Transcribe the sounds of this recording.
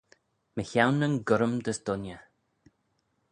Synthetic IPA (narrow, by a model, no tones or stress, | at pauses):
məçawnənɡʊɾəmd̪əsd̪ʊnjə